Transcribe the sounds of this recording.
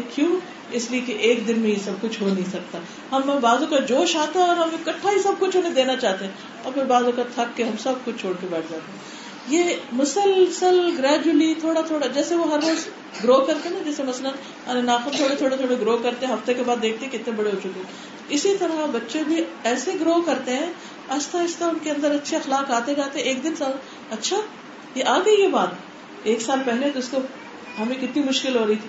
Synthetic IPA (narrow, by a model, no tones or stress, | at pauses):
kjũː | ɪsliekeʔeːk̚d̪ɪnmẽjesɐb̚kʊt͡ʃʰɦonɐɦĩsɐk̚t̪a | ɦɐm̃ːbaːzõkad͡ʒoːʃaːt̪aɦɛ̃ɔːɾɦɐmɪkɐʈʰːaɦisɐb̚kʊt͡ʃʰɦonẽd̪eːnat͡ʃaːɦt̪eɦɛ̃ | ɔ̰ːɾpʰɪɾbaːzõkat̪ʰɐkːeɦɐmsɐb̚kʊt͡ʃʰt͡ʃʰoːɽkebɛːʈʰd͡ʒaːt̪eɦɛ̃ | jeːmʊsəlsəlɡɾɛːd͡ʒulit̪ʰoːɽat̪ʰoːɽad͡ʒɛːseʋoɦɐɾːoːz | ɡɾoːɦkɐɾt̪eɦnad͡ʒɛːsemɐslən | ɐenaːxəmt̪ʰoːɽet̪ʰoːɽet̪ʰoːɽeɡɾoːɦkɐɾt̪ẽɦɛ̃ɦɐft̪ekebaːd̪ːeːk̚ʰt̪eɦɛkɪt̪nẽbɐɽeɦot͡ʃʊkeɦɛ̃ | ɪsit̪ɐɾabɐtːʃebʱiɛːseɡɾoːɦkɐɾt̪eɦɛ̃ː | ɐt͡ʃt̪aɪst̪aʊnkeɐ̃nd̪əɾɐtːʃʰeɐxlaːkaːt̪ed͡ʒaːt̪eɦɛ̃eːk̚d̪ɪnsaː | ɐtːʃʰa | jeʔaːɡɐikebaːt̪ | eːksaːlpɛɦlet̪oɪsko | ɦɐmẽkɪt̪nimʊʃkɪlɦoːɾɐɦit̪ʰi